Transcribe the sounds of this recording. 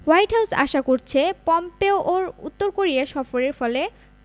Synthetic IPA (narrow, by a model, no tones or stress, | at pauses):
wajʈɦawsa̰ʃakoɾt͡ɕʰepɔmpeoʔoɾṵt̪ːoɾkoɾiaʃɔfoɾeɾfɔle